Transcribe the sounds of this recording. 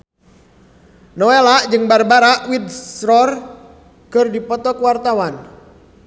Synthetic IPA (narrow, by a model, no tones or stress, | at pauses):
nɔelaʔd͡ʒɨŋbarbaɾaʔwid̪sɾɔr | kɨrdipɔt̪ɔkəwart̪awan